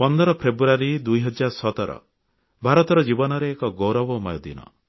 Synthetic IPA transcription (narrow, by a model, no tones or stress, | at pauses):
pɔnd̪ɔɾɔpʰɾebuɾaɾid̪ujɦɔd͡ʒːaɾɔsɔt̪ɔɾɔ̰ | bʱaɾɔt̪ɔɾɔd͡ʒibɔnɔɾeːkɔɡowɾɔbɔmɔjɔd̪ḭnɔ̰